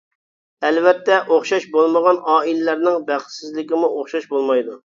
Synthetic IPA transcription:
ɛlvɛt̪ːɛʔoχʃɑʃbolˠməʁɑnʔɑːilɪlæɾnɪŋbæχsɪzlɪkʲɪmuʔoχʃɑʃbolˠmɑjd̪u

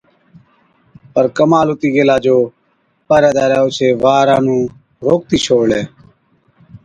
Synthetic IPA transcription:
pəɾkəmaːlʊt̪iːɡeːlaːd͡ʒoː | paːɾɛːd̪aːɾɛːʊt͡ʃʰeːʋaːɾãːnũː | ɾoːk̚t̪iːt͡ʃʰoːɽleː

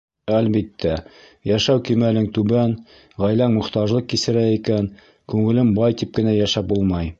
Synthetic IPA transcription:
ælbit̪ːæ | jæʃæwkimælɘŋt̪ʉbæŋ | ʁæjlæŋmŏχt̪ɑʒlˠɤq̚kːisɘ̆ɾæikæn | kʉŋɘ̆lɘmbɑjt̪ip̚kɘ̆næjæʃæp̚bulˠmɑj

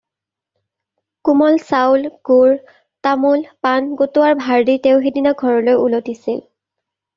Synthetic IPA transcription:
kumɔlsawlɡ̥uɹ | tamulpanɡotʊwaɹbʱaɹditeʊxedinaɡʱɔɹɔlojulotisil

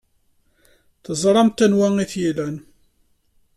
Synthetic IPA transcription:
θəzˤɾˤɑmt̪ænwæŋiθjilæn

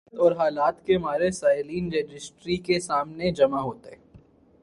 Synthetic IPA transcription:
t̪ɔːɾɦaːlaːt̪kemaːɾesaːɪliːnɾeːd͡ʒɪsʈɾikesaːmned͡ʒɐmaɦoːt̪eɛː

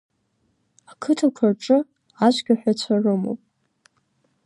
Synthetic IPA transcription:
akʰɨtʰɨkʷʰarʈ͡ʂʼɨ | aʃʷɡʲaħʷᶣat͡ɕʷʰarɨmo̰wpʼ

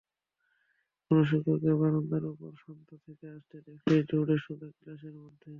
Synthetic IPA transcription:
ɡoɾoʃɔkoɾkebaɾond̪aɾupoɾʃɔnt̪ot̪ʰekeaʃt̪ed̪ekʰed͡ʒuɽeʃubeklaʃeɾmod̪ʱːe

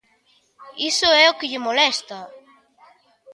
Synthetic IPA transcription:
isʊɛokɪʎɪmolɛst̪ɐ

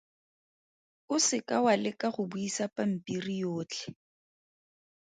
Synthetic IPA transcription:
ʊsɪkʼawalɪkʼaχʊbuisapʼam̩pʼirijoːt͡ɬʼɛ̥

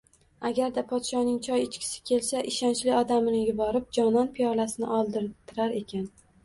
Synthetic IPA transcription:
aɡʲaɾd̪apʰɒt̪ʃɒnɪŋt͡ʃʰɒjɪt͡ʃkʲɪ̥sɪ̥kʲʰe̞lsaʔɪʃant͡ʃlɪɒd̪amɪnɪjʊbɒɾɪp̚d͡ʒɒnɒnpʰijɒlasɪnɪʔɒlˠd̪ɪɾt̪ʰːɪɾaɾe̞kʲʰan

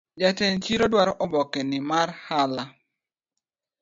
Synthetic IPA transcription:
d͡ʒatɛnt͡ʃiɾodwaɾɔʔɔbɔkɛnɪmarhala

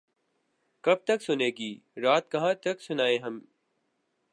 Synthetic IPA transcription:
kɐb̚t̪ɐksʊneːɡiː | ɾaːt̪̚kɐɦãːt̪ɐksʊnaːeɦɐm

